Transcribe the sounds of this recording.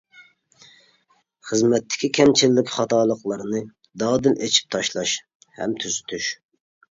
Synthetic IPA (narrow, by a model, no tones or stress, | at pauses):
χəzmɛt̪ʰːɪ̥kʲʰikʲʰɛmt͡ʃʰilːɪkʲχɑt̪ʰɑːlˠəqlˠɑɾnɨ | d̪ɑːd̪ɨlet͡ʃʰi̥p̚t̪ʰɑʃlˠɑʃ | hɛ̰mt̪ʰyzyt̪ʰyʃ